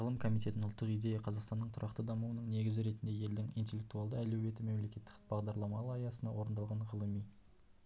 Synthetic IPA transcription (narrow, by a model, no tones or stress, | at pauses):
ʁəlˠəmkʰo̞mit̪e̞t̪ɪnʊlˠt̪ːəqijd̪e̞jɑqʰɑzɑqst̪ɑnːəɴt̪ʰʊɾʔɑqt̪əd̪ɑmuwənəɴne̞ɡʲɪzɪɾe̞t̪ɪnd̪e̞je̞ld̪ɪŋijnt̪ʲe̞lʲːe̞k̚t̪uɑlˠd̪əælewe̞t̪ɪme̞mle̞kʲe̞t̪ːɪ̥kbɑʁd̪ɑɾlˠɑmɑlˠɑjɑsənɑ̰wo̞ɾənd̪ɑlˠʁɑɴʁəlˠəmij